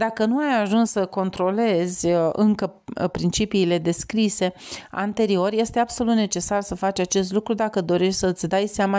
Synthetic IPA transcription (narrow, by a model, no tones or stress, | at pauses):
d̪akənuajaʒunsːəko̞nt̪ɾo̞le̞zʲɨŋkəpɾint͡ʃipiːle̞d̪e̞skɾise̞a̰nt̪e̞ɾio̞rje̞st̪e̞abso̞lut̪net͡ʃe̞sarsəfat͡ʃʲat͡ʃe̞s̬t̪lukɾud̪akəd̪o̞ɾe̞ʃtʲsəɨt̪sʲd̪ajseama